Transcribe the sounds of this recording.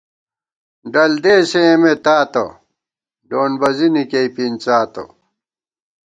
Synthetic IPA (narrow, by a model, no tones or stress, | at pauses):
ɖɐld̪eːseemet̪aːt̪ɐ̰ | ɖoːnbɐzinikeipint͡saːt̪o̰